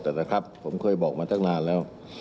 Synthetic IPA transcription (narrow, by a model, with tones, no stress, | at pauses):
t̪ɛː˨˩na˧˥kʰɾa˦˥pʰːo˩˦mkʰɤː˧˩jbɔː˨˩k̚maː˧t̪ʰaː˦˥˩naː˧˩nlɛː˦˥˩w